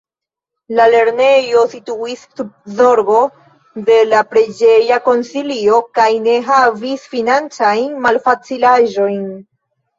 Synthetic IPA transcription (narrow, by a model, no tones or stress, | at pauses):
lale̞ɾne̞jo̞situisːub̚zo̞ɾbo̞ | de̞lapɾed͡ʒe̞jako̞nsilio̞kajne̞ɦavisfinant͡sajnmalfat͡silaʒo̞jn